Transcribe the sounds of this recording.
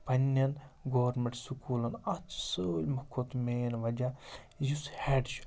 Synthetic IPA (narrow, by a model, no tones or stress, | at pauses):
pɐnʲːɐnɡoːʋɾmeɳʈsukuːlɐnɐt̪səːlʲmɐkʰːot̪meːnʋɐd͡ʒʲa | jushɛɖʃ